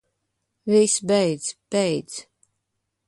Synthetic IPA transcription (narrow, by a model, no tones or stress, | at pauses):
visbɛjd̪z̥pɛjd̪z